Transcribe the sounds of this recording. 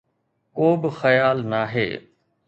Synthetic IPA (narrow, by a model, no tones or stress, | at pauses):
koːbɪxɐjaːlnaːɦḛː